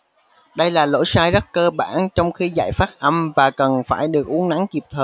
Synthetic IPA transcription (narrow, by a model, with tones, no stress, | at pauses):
ɗə˧jlaː˨˩lo̰˧˥jsaː˧jzə˦˥t̚kəː˧ɓa̰ː˧˩nt͡ɕɔ˧wŋ͡mxi˧za̰ː˧˨jfaː˦˥t̚ʔə˧mvaː˨˩kə˨˩nfaː˧˩jɗɨ˨˩ək̚ʔu˨˦ənːa˨˥ŋki˨˩p̚t̪ʰəː˨˩j